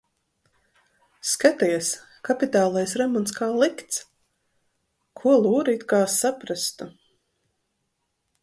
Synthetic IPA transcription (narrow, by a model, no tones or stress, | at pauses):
skat̪iɛs | kapit̪aːlˠajsɾɛmɔnskaːlˠikt̪s | kʰuɔlˠuːɾiːt̪kaːsapɾast̪u